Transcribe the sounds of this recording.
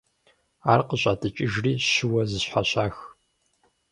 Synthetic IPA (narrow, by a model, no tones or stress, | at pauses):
aːrqəɕʷʼaːdʰɨt͡ʃʼɪʒriːɕʊwɐzɨɕħaɕaːx